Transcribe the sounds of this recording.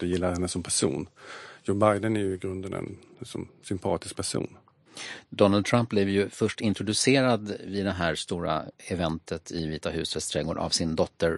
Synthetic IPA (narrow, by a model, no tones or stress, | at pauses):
d̪ɛjɪlːaɾhɛnːəsɔmpʰæʂṵːnjɔːbajd̪ənæɾjɵɪɡɾɵnd̪ənɛ̰nsɔ̰msʏmpʰɑːt̪ɪsk̚pʰæʂṵːn | d̪ɔnald̪̚t̪ʰɾamp̚blɪvjɵfœʂʈɪnt̪ɾʊd̪ɵseːɾad̪vɪd̪ɛɦæːɾst̪uːɾa̰ɛvɛnt̪ʰət̪ʰɪviːt̪aɦʉ̟ːsvɛst̪ʰɾɛːɡʊɾʔa̰vsɪnd̪ɔt̪ʰːəɾ